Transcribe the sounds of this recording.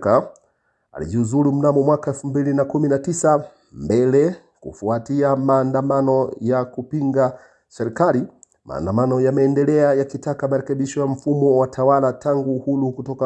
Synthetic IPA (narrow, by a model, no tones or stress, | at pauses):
ka | a̰lḭʄiuzuɾum̩namɔmwakaɛlfumbilinakuminatisa | mbɛlɛ | kṵfuatiamaːndamanɔjakupiŋɡa | sɛɾikali | ma̰ːndamanɔjamɛːndɛlɛajakitakamaɾɛkɛɓiʃɔjam̩fumɔwatʰawalatʰaŋɡuːhuɾukutɔka